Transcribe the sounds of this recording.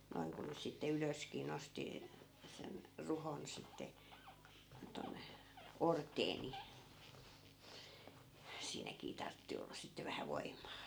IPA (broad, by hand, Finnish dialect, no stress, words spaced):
noi̯ŋ ku nys sitːe yløskiː nosti sen ruhon sitːe tonːe ortˑeː ni siːnækiː tɑrtːi olːɑ sitːe ʋæhæ ʋoimːɑː